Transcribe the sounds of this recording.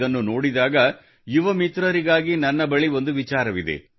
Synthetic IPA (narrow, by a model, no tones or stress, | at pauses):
ɐnːunoːɽid̪aːɡɐ | juʋɐmit̪ɾɐɾiɡaːɡinɐnːɐbɐɭiʋo̞nd̪uʋit͡ʃaːɾɐʋid̪e̞̰